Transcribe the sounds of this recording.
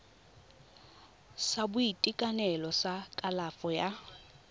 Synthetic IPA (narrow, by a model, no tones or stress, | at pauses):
sabʊitʼikʼanɛlɔsakʼalafɔja